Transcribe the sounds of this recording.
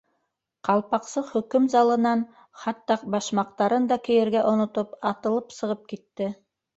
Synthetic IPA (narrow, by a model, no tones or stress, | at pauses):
qɑlˠpɑqsɤχɵ̆kɵmzɑlˠɤ̆nɑn | χɑt̪ːɑbɑʃmɑqt̪ɑɾɤnd̪ɑkɘ̆jɘ̆ɾɡæʔŏnŏt̪opɑt̪ɤ̆lˠɤpsɤ̆ʁɤp̚kit̪ːɘ